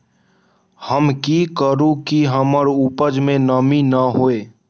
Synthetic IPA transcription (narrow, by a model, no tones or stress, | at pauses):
həmkikəɾũkiɦəməɾupəd͡ʒmẽnəminəɦoeː